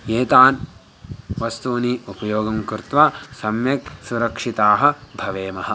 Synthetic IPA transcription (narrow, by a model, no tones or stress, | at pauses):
jeːt̪aːn | ʋɐst̪uːniːʔupɐjoːɡɐmkuɾt̪ʋaːsɐmjɐksuɾɐkʂit̪aːɦɐ̆bʱɐʋeːmɐɦɐ̆